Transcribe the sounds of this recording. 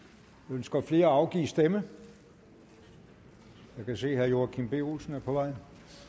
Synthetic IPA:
ønsɡ̥ɐfle̝ːɐɑ̈ʊɡ̥ḭːsd̥emə | jækʰæse̝̰ːhæɐjo̝ːɐkʰimb̥e̝olsn̩æɐpʰɒ̽ʋɑ̈ɪ̰

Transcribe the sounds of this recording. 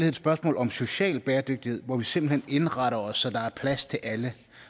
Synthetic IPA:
lieð̰ˠsb̥ɶɐsmɔ̰̽ːlɒ̽mso̝ɕɛ̰ːlb̥ɛːɐd̥øɡ̥̚d̥ihe̝ð̞̰ˠʋɒʋise̝mb̥l̩hene̝nʁɑ̈ɾɐɒ̽sːɒ̽d̥ɑ̈æɐpʰlæst͡sʰe̝lʔælə

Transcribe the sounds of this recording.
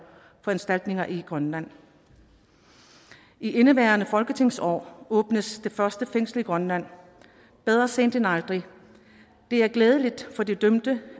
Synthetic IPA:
fɒ̽ensd̥æl̰d̥ne̝ŋɐʔiɡ̥ʁɶnlæn̰ | ʔiʔe̝nəʋæːɐnəfɒ̽lɡ̥ət͡sʰe̝ŋ̰sɒ̰ːɔ̽ːb̥nəsd̥e̝fɶɐsd̥əfeŋ̰sləiɡ̥ʁɒnlæn̰ | b̥eð̞ˠʁɐse̝̰ːnd̥enɑ̈ld̥ʁi | d̥e̝æɐɡ̥lɛːð̞ˠəlid̥fɒ̽d̥e̝d̥ømd̥ə

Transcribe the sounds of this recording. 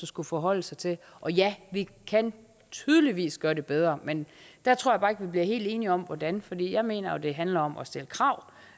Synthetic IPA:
usɡ̥ufɒɦɒ̽l̰əsɑ̈ɪt͡sʰe̝l | ʔɒ̽jæʋikʰæn | t͡sʰyːð̞ˠəliʋḭːsɡ̥ɶːɐɾ̥e̝b̥eð̞ˠʁɐmend̥æt͡sʰʁo̝ɐ̰jɑbɑ̈ːe̝ɡ̥ʋibliɐɦe̝̰ːld̥e̝ːniɒ̽mʋɒdænfɒ̽d̥ḭːjɑ̈ɪme̝̰ːnɐjod̥e̝ɦænlɐɒ̽mɒ̽sd̥e̝ləkʰʁɑ̈ʊ̰

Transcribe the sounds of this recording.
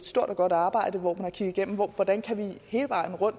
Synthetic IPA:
d̥sd̥o̝ɐ̰d̥ɒ̽ɡ̥ɒ̽ɾ̥ɑ̈ːb̥ɑ̈ɪ̰d̥əʋɒ̰mænæɐkʰiɡ̥̩ˠiɡ̥en̰m̩ʋɒʋɒd̥ænkʰæʋihe̝ːləʋɑ̈ɪ̰n̩ʁɔ̽n̰

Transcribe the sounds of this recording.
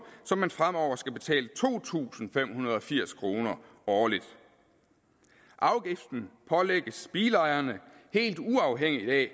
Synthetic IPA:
sɒ̽mːænfʁam̰ɒʊ̰ɐsɡ̥æb̥e̝t͡sʰɛ̰ːlət͡sʰo̝̰ːt͡sʰṵːsn̩fem̰hunɐð̞ˠɒ̽fiɐ̰skʰʁo̝ːnɐ | ɒːlid̥ | ʔɑ̈ʊɡ̥ifd̥n̩pʰɒ̽leɡ̥əsb̥iːlɑ̈ɪɐnəhe̝̰ːld̥uɑ̈ʊɦeŋ̰iid̥ɛ̰ː

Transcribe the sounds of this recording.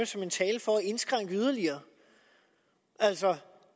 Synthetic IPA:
əsɒ̽me̝nt͡sʰɛːləfɒæe̝nsɡ̥ʁäŋ̰ɡ̥əyð̞ˠɐliɐː | ʔælsɒ

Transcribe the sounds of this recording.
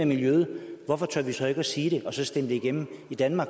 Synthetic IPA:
eɐmiljøð̩ˠʋɒfɒ̽t͡sʰøɐ̰ʋisɒ̽e̝ɡ̥əæsiːɾ̥e̝ʔɒ̽sɒ̽sd̥end̥eiɡ̥en̰m̩id̥ænmɑ̈ːɡ̥

